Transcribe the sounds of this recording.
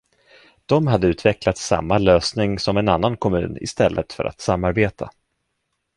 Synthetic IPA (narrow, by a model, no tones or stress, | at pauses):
d̪̥ɔmɦad̪ːəʉ̟ːt̪vɛklat̪sa̰mːaløːsnɪŋsɔmɛnanːankʰɔmʉ̟̰ːnɪ̰st̪ɛlːʔət̪fœ̰ɾa̰t̪samːaɾbeːt̪ʰa